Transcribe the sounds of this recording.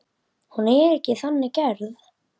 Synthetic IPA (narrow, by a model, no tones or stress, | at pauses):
hunɛɾɛhcɪθanːɪcɛɾð